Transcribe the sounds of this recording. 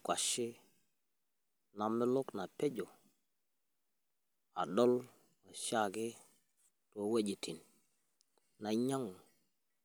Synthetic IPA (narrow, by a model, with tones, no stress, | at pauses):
kwa˨ʃi˦ | na˨mɪ˦lo˦kna˨pe˦d͡ʒo˨ | a̰˨do˦l | a˨ʃa˦˨ɡe˦ | to˨we˦d͡ʒi˨ti˨n | na˨ɲa˦ŋu˨